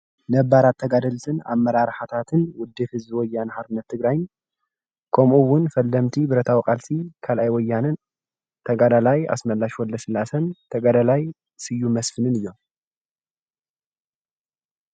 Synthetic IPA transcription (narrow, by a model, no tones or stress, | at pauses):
nɐbːaɾat̪ʰːɐɡad̪ɐlt̪ʰɨna̰mːɐɾaɾħat̪ʰat̪ʰɨnwʊd̪ːɨfhɨzbɨwɔjːanhaɾbɨnːɐt̪ʰːɨɡɾajn | kʰomʔuwʊnfɐlːɐmt̪ʰibɨɾɐt̪ʰawikʼalsikʰalʔajwɔjːanɨn | t̪ʰɐɡad̪alaja̰smɐlːaʃwɔlːɐsɨlasɐnt̪ʰɐɡad̪alaj | sɨjːumɐsfɨnɨnɨjːo̞m